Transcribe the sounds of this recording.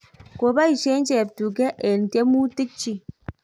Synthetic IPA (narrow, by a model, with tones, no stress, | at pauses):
ko˨ba˦i˨ʃe˦n˦t͡ʃɛ˨p̚tu˨kɛ˦ʔe˨n˨te˦mu˦ti˦k̚t͡ʃi˦